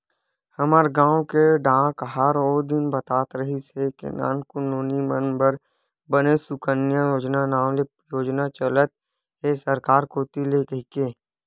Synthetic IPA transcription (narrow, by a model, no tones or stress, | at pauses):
həməɾɡãːwkeɖãːkɦaɾoːd̪ɪnbət̪aːt̪ɾəɦisekḛna̰ːnkʊnoːnimə̃nbəɾ | bənesʊkənjãjoːd͡ʒnanaːmle | joːd͡ʒnat͡ʃələt̪̚ | ɦesəɾkaːɾkoːt̪ilekəɦikeː